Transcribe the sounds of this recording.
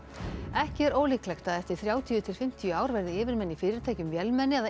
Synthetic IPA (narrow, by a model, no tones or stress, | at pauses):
ɛhcɪɛɾoːwlɪklɛxt̪aðɛft̪ɪ̥θɾjaːwt̪ʰijʏt̪ʰɪlfɪm̥t̪ʰijʏaːwɾvɛɾðɪɪːvɪɾmɛnːifɪːɾɪɾ̥t̪ʰaːjcʏmvjɛlmɛnːɪɛða